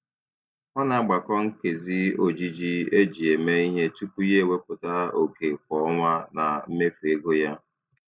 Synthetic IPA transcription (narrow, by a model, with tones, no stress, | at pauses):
ɔ˦na˨a˨ɡ͡ba˨kɔ˦ŋ̩˦ke˨zi˦o˨d͡ʒi˦d͡ʒi˦e˦d͡ʒi˨e˨me˦i˦ɲe˦tu˦ku˦je˦˨we˦pʊ˨ta˦o˨ke˨kʷɔ˦ŋʷa˦na˨m̩˦me˦fe˦ɡo˦ja˦